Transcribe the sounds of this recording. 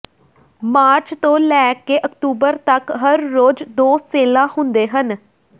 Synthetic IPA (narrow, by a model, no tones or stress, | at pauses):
maːɾt͡ʃt̪õːlɛːkeːʔəkt̪uːbəɾt̪əkɦəɾːoːd͡ʒd̪oːseːlãːhʊnd̪eːɦən